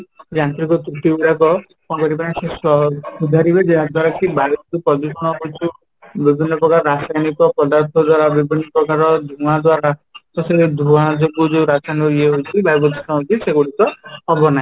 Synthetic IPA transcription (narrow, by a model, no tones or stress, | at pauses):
d͡ʒant̪ɾikɔtuʈiuɽakɔ | kɔ̃kɔɾip̬aɽĩsesɔud̪ʱaɾibed͡ʒead̪waɾakibajbɔd̪upɾɔd͡ʒusɔnɔɦojt͡ʃʰu | bibʱinːɔpɾɔkaɾɔɾasajnikɔpɔd̪aɾt̪ʰɔd̪waɾabibʱinːɔpɾɔkaɾɔd̪ʱũad̪waɾatɔsed̪ʱũad͡ʒoɡud͡ʒeɾasajnikɔieɦojt͡ʃʰibajbɔd̪isnɔɦojt͡ʃʰiseɡuɽit̪ɔɦɔbɔnai